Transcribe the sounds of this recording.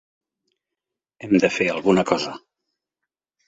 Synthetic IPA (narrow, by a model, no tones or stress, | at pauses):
ɛmd̪əfeəlˠɣunəkɔzə